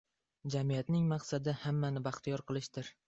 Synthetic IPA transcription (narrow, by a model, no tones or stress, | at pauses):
d͡ʒamijat̪nɪŋmɑqsad̪ɪhamːanɪbaχt̪ʰijɒɾqʰɨlˠɪʃt̪ɪɾ